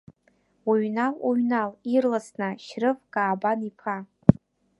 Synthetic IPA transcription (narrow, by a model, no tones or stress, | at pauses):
uɥnaluɥnalirlasnaʃrɨvkʼaːbanipʰa